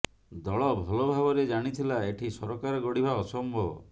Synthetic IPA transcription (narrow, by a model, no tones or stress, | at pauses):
d̪ɔɭɔbʱɔlɔbʱabɔɾed͡ʒaɽ̃it̪ʰilaeʈʰisɔɾɔkaɾɔɡɔɽibʱaɔsɔmbʱɔbɔ̰